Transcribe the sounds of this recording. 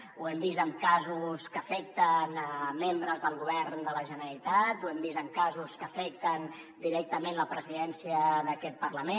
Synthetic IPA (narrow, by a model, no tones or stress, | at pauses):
uɛmbizəmkazuskəfɛk̚t̪ənəmembɾəzðəlˠɣuβɛɾnd̪ələʒənəɾit̪at̪uɛmbizəmkazuskəfɛk̚t̪ən | d̪iɾɛk̚t̪əmẽnləpɾəziðɛnsiəðəkɛt̪̚pərləme